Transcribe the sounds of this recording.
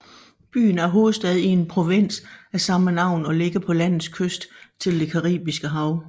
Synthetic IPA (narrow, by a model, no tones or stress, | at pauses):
b̥y̰ːn̩æɐɦo̝ːð̩ˠsd̥ɛð̞ˠie̝npʰʁo̝ʋe̝n̰sæsɑ̈mənɑ̈ʊ̰nɒ̽le̝ɡ̥əpʰɒ̽læn̰ð̩ˠskʰøsd̥t͡sʰe̝ld̥e̝kʰɑ̈ʁḭːb̥isɡ̥əɦɑ̈ʊ